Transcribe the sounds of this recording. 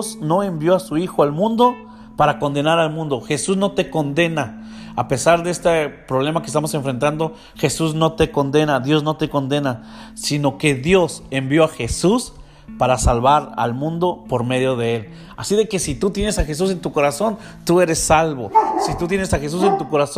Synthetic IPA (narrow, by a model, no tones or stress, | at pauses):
sno̞e̞mbjo̞asuixoalmũnd̪o̞ | paɾako̞nd̪e̞naɾalmũnd̪o̞xe̞suzno̞t̪e̞ko̞nd̪e̞na | ape̞saɾðeest̪epɾo̞β̞le̞makest̪amo̞s̬eɱfɾe̞nt̪and̪o̞ | xe̞suzno̞t̪e̞ko̞nd̪e̞naðjo̞zno̞t̪e̞ko̞nd̪e̞na | sino̞ke̞ðjo̞sembjoaxe̞sus | paɾasalβaɾa̰lmũnd̪o̞po̞ɾme̞ðjo̞ð̞e̞e̞l | asiðe̞ke̞sit̪ut̪je̞nesaxe̞s̬us̬e̞nt̪uko̞ɾaso̞n | t̪ue̞ɾe̞sːalβo̞sit̪ut̪̬je̞nesaxe̞s̬us̬e̞nt̪uko̞ɾaso